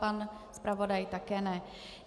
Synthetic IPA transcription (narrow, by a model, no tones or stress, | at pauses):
aːn | spɾaʋɔd̪ajt̪akɛnɛ